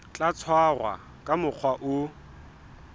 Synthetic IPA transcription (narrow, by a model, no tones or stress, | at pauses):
t͡ɬʼat͡sʰwarwa̰ | kʼamʊq͡χʰwaʔʊ